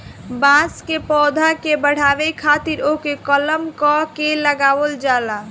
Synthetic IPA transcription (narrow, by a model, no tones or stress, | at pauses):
bãskepɔːd̪ʱakebəɽ̤aːʋekʰat̪iɾokekələmkɔkeləɡaːwəld͡ʒala